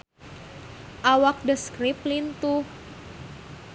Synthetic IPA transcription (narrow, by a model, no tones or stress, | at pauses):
ʔawak̚dəskɾip̚lint̪uh